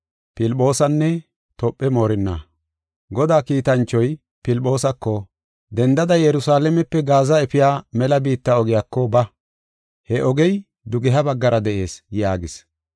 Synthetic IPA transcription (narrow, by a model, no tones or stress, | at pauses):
pɪlʼo̞ːsɐnːɛ | t̪ɔpʼːɛmoːɾɪnːa̰ | ɡɔd̪aːkiːt̪ɐnt͡ʃːɔj | pɪlpʼo̞ːsɐkːɔ | d̪ɛnd̪ɐd̪ɐjjɛɾʊsaːlɛmɛpːɛɡaːzɐɛfɪjaːmɛlɐbiːt̪ːɐɔɡɪjaːkːɔbɐ | hɛʔɔɡɛj | d̪ʊɡɛɦɐbɐɡːɐɾʔɐd̪ɛʔe̞ːsjaːɡɪs